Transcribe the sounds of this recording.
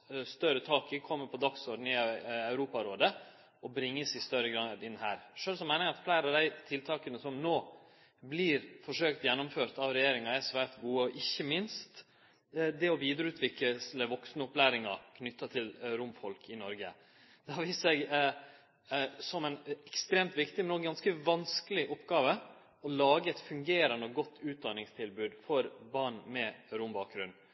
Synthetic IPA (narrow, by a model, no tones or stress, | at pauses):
st̪œɾət̪ʰɑːkɪkʰɔmːəɾpʰɔd̪ɑksɔɖnɪəæʉɾuːpɑɾoːd̪ə | ɔbɾɪŋːəsɪst̪œɾəɡɾɑd̪ɪnːhæːɾʂøːlsɔmɛɪnɪɑt̪flæɪɾɑʋd̪æɪt̪ʰɪlt̪ʰɑːkənəsɔmnoː | blɪɾfɔʂøːkt̪jɛnːʊmføːɾt̪ɑʋɾɛjeːɾɪŋɑɛsʋæːɾt̪ɡuːəɔʔɪçːəmɪnst̪ | d̪ɛɔʋiːd̪ɾəʉːt̪ʰʋɪk̪əsləʋɔksnəɔplæːɾɪŋɑkʰnʏt̪ːɑt̪ʰɪlɾʊmfɔlkʰɪnɔɾɡə | d̪̥ɛhɑʋiːssɛɡ | sɔmɛɪnɛkst̪ɾeːmt̪ʋɪkt̪ɪmɛnɔɡɑnskəʋɑnskəlɪʔɔpːɡɑːʋə | ɔlɑːɡəɛt̪fʉŋɡeːɾɑnɔɡɔt̪ʰːʉːt̪̚d̪ɑnɪŋst̪ʰɪlbʉːd̪fɔɾbɑɳmɛɾʊmbɑːk̚ɡɾʉnː